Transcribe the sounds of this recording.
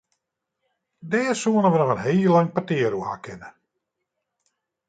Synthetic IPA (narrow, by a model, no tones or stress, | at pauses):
dɛːsuənəʋənɔxənɦeːlːaŋpatɪːəɾuha̰ːkʰɪnə